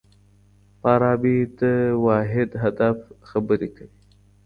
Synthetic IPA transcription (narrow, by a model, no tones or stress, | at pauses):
pɑɾɑbid̪əwɑɦɪd̪ɦad̪afxabəɾekawi